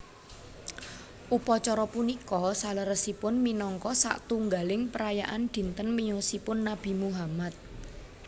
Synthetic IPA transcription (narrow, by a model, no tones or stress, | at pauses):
ʔupɔt͡ʃɔɾɔpunikɔsaləɾəsipʊnminɔŋkɔsa̰ʔt̪uŋɡalɪŋpəɾajaʔand̪̥i̤nt̪ənmijosipʊnːab̥i̤muɦamat̪̚